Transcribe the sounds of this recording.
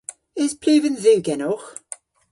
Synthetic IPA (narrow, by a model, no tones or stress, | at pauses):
ɪz̥pʰlʉːvənzʉːɡɛnɔx